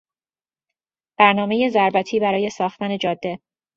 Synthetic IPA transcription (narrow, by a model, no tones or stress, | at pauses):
b̥æɾnɒːme̞je̞zæɾbæt̪ʰiːbæɾɒːje̞sɒːxt̪æne̞d͡ʒɒːd̪ːe̞